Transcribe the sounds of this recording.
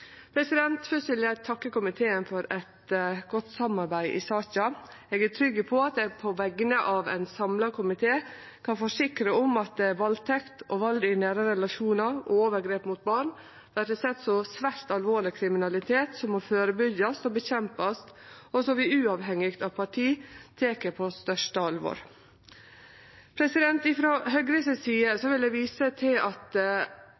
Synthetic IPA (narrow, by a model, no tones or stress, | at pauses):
pʰɾɛsɪd̪ɛnt̪fœsʋɪljæɪt̪ʰɑkːəkʊmɪt̪ʰeːənfɔɾɛt̪ɡɔt̪ːsɑmːɑɾbæɪʔɪ̰sɑːçɑ | eːɡæʈ̪ʰɾʏɡːəpʰɔɑt̪̚ɛpʰɔʋɛɡənəʔɑʋæ̰ɪnsɑmlɑkʰʊmɪt̪ʰeː | kʰɑnfɔʂɪkɾəɔmɑt̪̚d̪ɛʋɑlt̪ʰɛkt̪ɔʋɑld̪ɪnæːɾəɾɛlɑʂuːnɑɾɔoːʋəɾɡɾeːpmʊt̪̚bɑɳ | ʋæɾəsɛt̪ːsɔsʋæɾt̪ɑlʋoːɭɪkʰɾɪmɪnɑlɪt̪ʰeːt̪sɔmːɔføːɾəbʏɡɑst̪ɔbəçɛmpɑst̪ɔsɔʋɪʉːɑʋɦɛŋːɪkt̪ɑʋpʰɑʈʰiːt̪ʰeːkəpʰɔst̪œʂʈəɑlʋo̰ːɾ | pʰɾɛsɪd̪ɛnt̪ɪfɾoɦœɡɾəsɪsiːəsɔʋɪld̪ɛʋiːsət̪ʰɪlɑt̪